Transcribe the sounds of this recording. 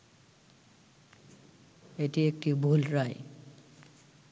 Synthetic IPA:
etiek̚tibʱulɹaj

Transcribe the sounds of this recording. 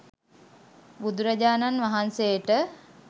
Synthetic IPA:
bud̪uɾəd͡ʒaːnanʋaɦansejəʈə

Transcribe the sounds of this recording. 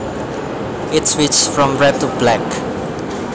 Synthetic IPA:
ɪtswit͡ʃfɹɔ̃mɹɛp̚tublɛk

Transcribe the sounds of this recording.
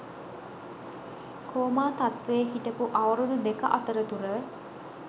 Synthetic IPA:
kʰoːmaːt̪at̪ʋeːɦitəpuʔaʋəɾud̪ud̪ekəʔat̪əɾət̪uɾə

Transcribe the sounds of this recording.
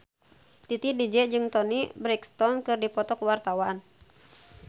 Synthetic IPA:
t̪it̪idid͡ʒɛd͡ʒɨŋt̪ɔnibɾɛkst̪ɔnkɨrdipɔt̪ɔkəwart̪awan

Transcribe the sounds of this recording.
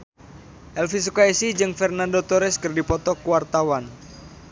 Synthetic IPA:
ʔɛlfis̬ukaisid͡ʒɨŋfɛrnandot̪oɾɛskɨrdipɔt̪ɔkuwart̪awan

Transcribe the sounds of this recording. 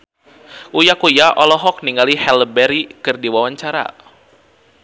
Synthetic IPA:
ʔujakujaʔɔlɔɦɔk̚niŋɡalihɛləbɛɾikɨrdiwawaɲt͡ʃaɾa̰

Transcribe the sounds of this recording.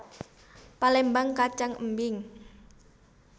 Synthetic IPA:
palɛmbaŋkat͡ʃaŋə̰mbɪŋ

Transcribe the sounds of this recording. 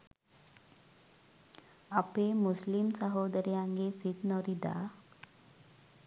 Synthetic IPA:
apemuslimsaɦod̪əɾijãŋɡesit̪nɔɾid̪a̰

